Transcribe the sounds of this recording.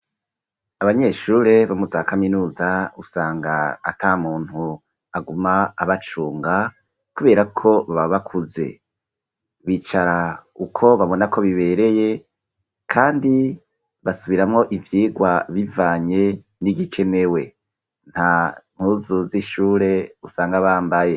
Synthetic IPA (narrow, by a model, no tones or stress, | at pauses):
aβaɲe̞ʃuːɾe̞βamuzakaminuːzausaːŋɡa̰ːtʰaːmuːn̥hu | aɡumaːβat͡ʃuːŋɡa | kuβe̞ːɾakʰo̞βaβaβakʰuze̞̰ | βiːt͡ʃaɾaukʰo̞βaβo̞nako̞βiβe̞ːɾe̞je̞ | kʰaːndi | βasuβiɾamŋo̞ʔivjiːɡwaβivaːɲe̞ | niɡikʰe̞ne̞we̞ | n̥ham̥huːzuziʃuːɾe̞usaːŋɡaβaːmbaje̞